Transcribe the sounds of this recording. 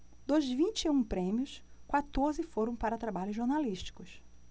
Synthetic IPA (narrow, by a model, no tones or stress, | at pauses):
d̪ozvĩnt͡ʃiũpɾẽmiʊskwat̪oɾzɪfoɾɐ̃w̃paɾɐt̪ɾabaʎʊzʒoɾnaliʃt͡ʃi̥kʊs